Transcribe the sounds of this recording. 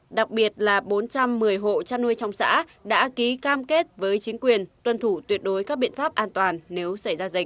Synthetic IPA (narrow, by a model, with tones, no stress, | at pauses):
ɗa˨˩k̚ɓi˨˩ət̚laː˨˩ɓo˨˦nt͡ɕa˧mːɨ˨˩əjɦo̰˧˨t͡ɕaː˧nu˧əjt͡ɕɔ˧wŋ͡msa̰ː˧˥ɗa̰ː˧˥ki˨˦kaː˧mke˦˥t̚vəː˨˦jt͡ɕï˨˦ŋ̟kwi˨˩ənt̪wə˧˩nt̪ʰu˧˩t̪wi˨˩ət̚ɗo˨˦jka˦˥k̚ɓḭ˧˨nfaː˦˥p̚ʔaː˧nt̪waː˨˩nːe˨˦wsa˧˩jzaː˧zï̟˨˩